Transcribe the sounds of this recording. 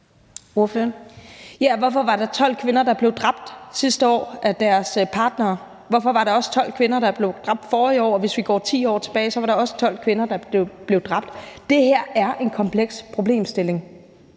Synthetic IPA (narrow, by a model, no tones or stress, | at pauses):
oføɐjæʋɒfɒ̽ʋɑ̈ɾ̥ɑ̈t͡sʰɒ̽l̰kʰʋe̝nɐd̥ɑ̈b̥le̝ʊd̥ʁɑ̈b̥̚d̥sisd̥əɒ̰ːʔæd̥æɐspʰɑ̈ːd̥nɐː | ʋɒfɒ̽ʋɑ̈ɾɑ̈ɒ̽sə̥t͡sʰɒ̽l̰kʰʋe̝nɐɾ̥ɑ̈b̥le̝ʊd̥ʁɑ̈b̥̚d̥fɒːiɒ̰ːɒʋe̝sʋiɡ̥ɒ̰ːt͡sʰḭːɒ̰ːt͡sʰe̝b̥ɛːɪsɒ̽ʋɑ̈ɾ̥ɑ̈ɒ̽sə̥t͡sʰɒ̽l̰kʰʋe̝nɐd̥ɑ̈b̥e̝ʊb̥le̝ʊd̥ʁɑ̈b̥̚d̥d̥e̝hæɐ̰æɐʔe̝nkʰɒ̽mpʰleɡ̥spʰʁo̝ble̝̰ːmsd̥e̝le̝ŋ